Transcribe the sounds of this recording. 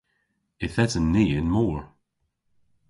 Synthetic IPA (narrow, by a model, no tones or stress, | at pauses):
ɪθɛtənːiːɪnmɔːɹ